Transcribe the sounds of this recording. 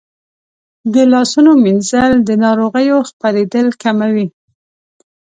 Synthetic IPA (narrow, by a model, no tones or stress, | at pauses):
d̪əlɑsunomɪnzald̪ənɑɾoɣəjoxpaɾed̪əlkamawi